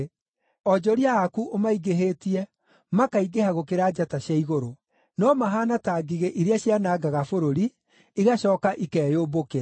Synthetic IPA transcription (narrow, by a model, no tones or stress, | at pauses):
ɔd͡ʒɔɾiaːkuʔomaiɡeɦetiɛ | makaiɡehaɣokeɾaːd͡ʒataɕjaiɣoɾo | nɔmaɦaːnataːɡiɣeʔiɾeaɕjanaːɡaɣafoɾoɾi | iɣaɕɔːkaʔikɛːjoːbokɛ